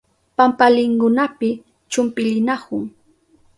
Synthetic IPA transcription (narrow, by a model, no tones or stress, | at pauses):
pampalɪŋkʊnapɪ | t͡ʃʊmpɪʎɪnakʊŋ